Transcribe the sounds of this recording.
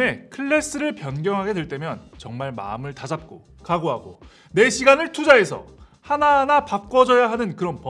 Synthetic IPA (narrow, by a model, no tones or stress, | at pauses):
e̞kʰɯɭːe̞s͈ɯɾɯɭpjʌnɡjʌŋɦaɡe̞dwe̞ɭt͈e̞mjʌnt͡ɕʌŋmaɭma̰ɯmɯɭtad͡ʑap̚k͈o | kaɡoɦaɡo | ne̞ɕʰiɡanɯɭtʰud͡ʑae̞sʰʌ̰ | hananapak̚k͈ʌd͡ʑʌjaɦanɯnkɯɾʌnpʌ